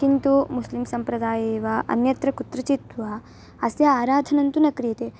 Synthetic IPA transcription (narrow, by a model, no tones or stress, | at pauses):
kint̪umuslimsɐmpɾɐd̪aːjeːʋɐʔɐ̰njɐt̪ɾɐkut̪ɾɐt͡ʃit̪ʋɐ | ɐsjɐaːɾaːd̪ʱɐnɐnt̪unɐkɾiːt̪e